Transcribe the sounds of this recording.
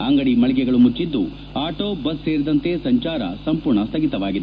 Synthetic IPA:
aːŋɡɐɽimɐɭɛɡɛɡɐɭumut͡ʃːid̪ːṵ | aːʈoːbɐsːeːɾid̪ɐnt̪e̞sɐɲt͡ʃaːɾɐ̰sɐmpuɾɳɐst̪ʰɐɡit̪ɐʋaːɡid̪e

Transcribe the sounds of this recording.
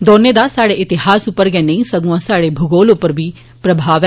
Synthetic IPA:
d̪ɔːneːd̪aːsaːɽeːʔɪt̪ɪɦaːsʊpːəɾɡɛːnəĩːsəɡũãːsaːɽeːbʱʊɡoːlʊpːəɾbiː | pɾəbʱaːʋɛ

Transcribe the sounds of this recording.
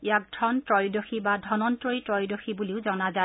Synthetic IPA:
ijak̚dʱɹɔntɹɔjdoxibadʱɔnɔntɹojtɹɔjdoxibuliʊzɔnaza

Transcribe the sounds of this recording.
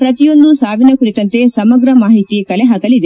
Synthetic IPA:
pɾɐt̪ijond̪usaːʋ̪ʱinjɐkuɽit̪ɐnt̪e̞sɐmɐɡɾɐmaːɦit̪ikɐleɦɐkɐlid̪e

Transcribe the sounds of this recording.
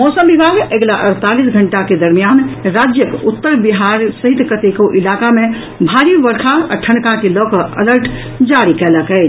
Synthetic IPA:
mɔsəmbibʱaɡeɡlaʔəɾt̪alisɡʱəɳʈaked̪əɾmijanɾad͡ʒjəkut̪ːəɾbiɦaɾsəɦit̪kət̪ekoʔilakame | bʱaɾibəɾkʰaa̰ʈʰənkakelɔkəələɾʈ | d͡ʒaɾikɛləkɛɪt͡ʃʰ

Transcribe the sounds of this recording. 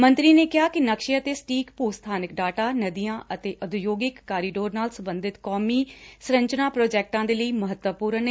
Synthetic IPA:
mənt̪ɾiːneːkɪɦaːkɪnəkʃiət̪eːsʈiːkpuːst̪ʰaːnɪkɖaːʈaːnəd̪ijãːʔət̪eːʔəd̪ʊjoːɡɪkːaːɾiɖoːɾnaːlsə̃mbənd̪ɪt̪kɔːmiːsɾəɲt͡ʃnaːpɾoːd͡ʒɛːk̚ʈãːd̪eːləiːməɦət̪wəpuːɾəne

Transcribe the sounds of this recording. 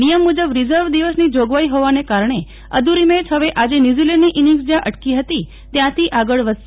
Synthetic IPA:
nijəmːud͡ʒəbɾizəɾʋd̪iʋəsnid͡ʒoɡʋaiɦoʋanekaɾɳ̃e | əd̪uɾimẽd͡ʒɦəʋeʔad͡ʒenjuzilɛɳɖniʔiniŋɡsd͡ʒjãʔəʈkiɦət̪i | t̪jãt̪ʰiʔaɡəɭʋə

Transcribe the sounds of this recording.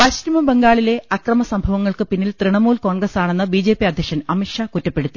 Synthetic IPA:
pɐɕɾɐmɐbeŋɡaːɭile̞ɐkrɐmɐsɐmbʱɐʋɐŋːɐɭkɨpinːilt̪riɳɐmuːlko̞ːɳɡrɐsaːɳe̞nːɨbiːd͡ʑe̞ːpiɐd̪ʱjɐkʂɐnɐmiʂakutːɐpːe̞ɽut̪ːi

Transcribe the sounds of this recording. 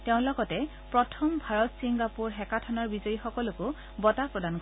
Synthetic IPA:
teʊ̃lɔɡɔtɛ | pɹɔtʰɔmbʱaɹɔtsiŋɡapuɹɦɛkatʰɔnaɹbizɔjixɔkɔlʊkʊ | bɔtapɹɔdank

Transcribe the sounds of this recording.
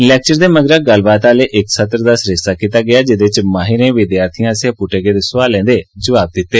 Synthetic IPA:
ɪlɛːk̚t͡ʃəɾd̪eːməɡɾəɡəlbaːt̪aːleːʔɪksət̪əɾd̪aːsɾɪst̪aːkiːt̪aːɡɪjaːd͡ʒɪd̪et͡ʃmaːɦɪɾẽːʋɪd̪jaːɾt̪ʰijãːsẽːpuʈeːɡeːd̪eːsʊʋaːlɛ̃ːnd̪eːd͡ʒəʋaːb̚d̪ɪt̪ːeː

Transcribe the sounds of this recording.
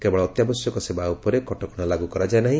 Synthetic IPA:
kebɔɭɔːt̪jabɔsjɔkɔsebaupɔɾekɔʈɔkɔɽ̃alaɡukɔɾad͡ʒaenaɦĩ

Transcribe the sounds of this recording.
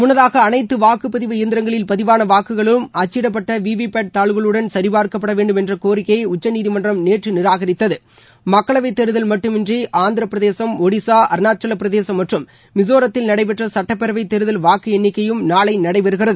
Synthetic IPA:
mʊnːɐðaːɣɐːnɐɪt̪ːɯʋaːkɯpɐðɪʋɐɪjɐnd̪ɪɾɐŋɡɐɭɪlpɐðɪʋaːnɐʋaːkɯɣɐɭɯmɐt͡ʃːɪɽɐpːɐʈːɐʋiːʋipeːʈ̚t̪aːɭɯɣɐɭɯɽɐnsɐɾɪbaːɾkɐp̬ːɐɽɐʋeːɳɖɯmɛndrɐkoːɾɪkːɐɪʊt͡ʃːɐniːðimɐndrɐmneːʈrɯnɪɾaːɣɐɾɪt̪ːɐðɯ | mɐkːɐɭɐʋɐɪt̪ːɛɾɯðɐlmɐʈːɯmɪndriʔaːnd̪ɪɾɐpːɪɾɐðeːsɐmɔɽisaːʔɐɾnaːt͡ʃɐlɐpːɪɾɐðeːsɐmːɐʈrɯmː | ɪsoːɾɐt̪ːɪlnɐɽɐɪp̬ɛʈrɐsɐʈːɐpːɛɾɐʋɐɪt̪ːɛɾɯðɐlʋaːkɯɛnːɪkːɐjɯmnaːɭɐɪnɐɽɐɪpɐɾɯɣɪrɐðɯ

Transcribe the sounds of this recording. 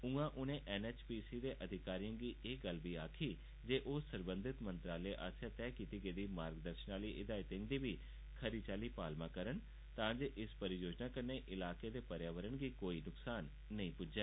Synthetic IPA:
ʊ̃ãːʔʊnẽːʔɛːnɛːt͡ʃpiːsiːd̪eːʔəd̪ʱɪkaːɾijãːɡiːʔeɡəlbiːaːkʰiː | d͡ʒeːʔoːsəɾbə̃nd̪ʱɪt̪mə̃nt̪ɾaːleːʔaːsjaːt̪ɛːkiːt̪iːɡeːd̪iːmaːɾɡd̪əɾʃnaːliːʔɪd̪aːɪt̪ɪ̃ŋd̪iːʋiː | kʰəɾiːt͡ʃaːliːpaːlmãːkəɾən | t̪ãːd͡ʒeːʔɪspəɾijoːd͡ʒnaːkəɾneːʔɪlaːkeːd̪eːpəɾjaːʋəɾəɳɡiːkoːiːnʊksaːnː | əĩːpʊd͡ʒɛː

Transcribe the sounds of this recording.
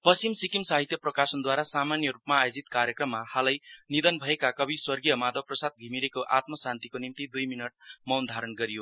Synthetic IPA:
pʌst͡ʃimsikimsaɦit̪jʌprʌkasʌnd̪waɾasamanjʌɾupmaːjod͡zit̪kaɾjʌkrʌmːahalʌjnid̪ʌnbʱʌekakʌbʱiswʌrɡijʌmad̪ʌprʌsad̪̚ɡʱimiɾekoʔat̪mʌsant̪ikonimt̪id̪ujminʌʈmʌwnd̪ʱaɾʌnɡʌɾijo

